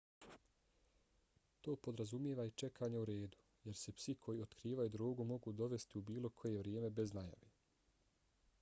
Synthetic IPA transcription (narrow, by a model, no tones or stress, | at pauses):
t̪o̞ːpo̞d̪ɾazumjeːʋait͡ʃe̞kʰaːɲauɾeːd̪u̥ | je̞ɾse̞psikʰo̞jio̞t̪kɾiːʋajud̪ɾoːɡumo̞ɡud̪o̞ʋe̞st̪iubiːlo̞kʰo̞je̞ʋɾje̞ːme̞be̞znaja̰ʋe